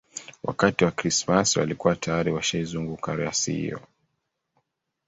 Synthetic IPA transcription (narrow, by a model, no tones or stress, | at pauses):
wʔa̰katiwakɾismaswa̰likuwatajaɾiwaʃaizuŋɡukaɾiasḭhḭjɔ̰